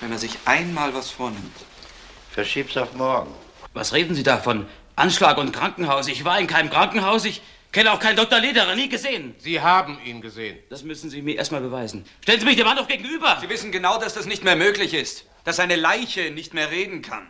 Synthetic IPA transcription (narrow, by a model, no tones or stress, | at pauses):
vɛnmɛzɪçʔaɪnmaːlvasfoːɐnɪmt | fɛɐʃiːpsaʊfmɔɐɡŋ̩ | va̰sʁeːdn̩ziːdaːfɔn | ʔanʃlaːkʊntkʁ̥aŋkŋ̩ɦaʊsɪçv̥aːɐɪnkʰaɪnəmkʁ̥aŋkŋ̩haʊsɪç | kʰɛnəaʊxkʰaɪndɔk̚tɐleːdɐʁaniːɡəzeːənz̥iːɦaːbm̩iːnɡəzḛːənd̥asmʏsn̩ziːmiɐeːɐstmaːlbəvaɪzn̩ʃtɛlənziːmɪçd̥eːmandaʊfɡ̥eːɡŋ̩ʔyːbɐziːvɪsn̩ɡənaʊdasd̥asnɪçtmeːɐmøːklɪçɪst | d̥asaɪnəlaɪçənɪçtmeːɐʁeːdn̩kʰa̰n